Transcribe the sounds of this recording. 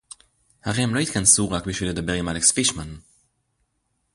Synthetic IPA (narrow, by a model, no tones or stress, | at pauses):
haʁɛmlɔjt̪kʰansuːʁakbiʃiləd̪əbɛʁəmalɛksfɪʃman